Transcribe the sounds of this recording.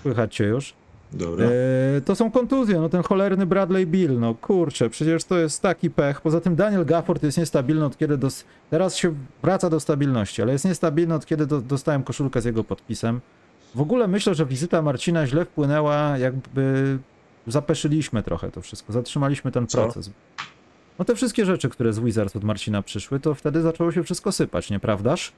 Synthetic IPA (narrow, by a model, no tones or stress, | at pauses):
swɘxat͡ɕt͡ɕɛjuʂ | d̪ɔbɾt̪ɔsɔ̃w̃kɔnt̪uzʲjɛnɔt̪ɛnxɔlɛɾnɘbɾad̪lɛjbʲilnɔkʰuɾt͡ʂɛpʂɛt͡ɕɛʂt̪ɔjɛst̪ːakʲipɛxpɔzat̪ɘmd̪aɲɛlɡafɔɾt̪jɛst̪ɲɛst̪abʲilnɘɔt̪̚kʲɛd̪ɘd̪ɔs | t̪ɛɾasɕɛvɾat̪sad̪ɔst̪abʲilnɔɕt͡ɕialɛjɛst̪ɲɛst̪abʲilnɘɔt̪̚kʲɛd̪ɘd̪d̪ɔst̪awɛmkɔʂulkɛzʲjɛɡɔpɔt̪̚pʲisɛm | vɔɡulɛmɘɕlɛʐɛvʲizɘt̪amaɾt͡ɕinaʑlɛfpwɘnɛwajaɡ̚bɘ | zapɛʂɘlʲiɕmɘt̪ɾɔ̰xɛ̰t̪ɔfʂɘst̪kɔzatʂɘmalʲiɕmɘt̪ɛnpɾɔt̪sɛ̰s | nɔt̪ɛfʂɘst̪kʲɛʐɛt͡ʂɘkt̪uɾɛzwuizaɾasɔd̪maɾt͡ɕinapʂɘʂwɘt̪ɔft̪ɛd̪ɘzat͡ʂɛwɔɕ̬ɛfʂɘst̪kɔsɘpa̰t͡ɕɲɛpɾavd̪aʂ